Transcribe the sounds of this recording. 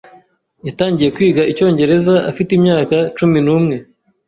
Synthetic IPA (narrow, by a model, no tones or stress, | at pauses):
jataːɲɟije̞kwiːɡaʔico̞ːɲɟe̞ɾe̞zaʔafitimɲaːkat͡ʃuminuːmŋe̞